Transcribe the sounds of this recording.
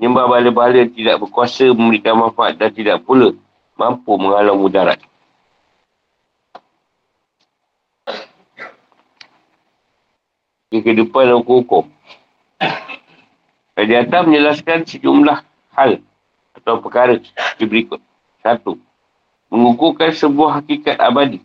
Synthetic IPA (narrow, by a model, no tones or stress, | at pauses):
ɲəmbabaaləbaɦalət̪idaʔ̚bərkuasəməməɾikamafaa̰t̪̚dant̪idaʔpulə | mampuməŋalamudaɾa̰t̪̚ | kəkədəpanukukɔ | kad͡ʒat̪amə̃ɲd͡ʒəlaskansəd͡ʒumlah | hal | at̪awpəkaɾətibəɾikʊt̪̚ | sat̪u | məŋukukansəbuahːakikat̪̚a̰badi